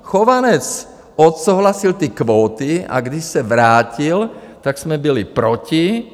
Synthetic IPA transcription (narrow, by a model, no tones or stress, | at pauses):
xɔʋanɛt͡s | ɔt̪suɦlasilt̪iːkʋɔːt̪ia̰ɡd̪iʃsaʋɾaːcil | t̪aɡz̥mɛbilipɾɔci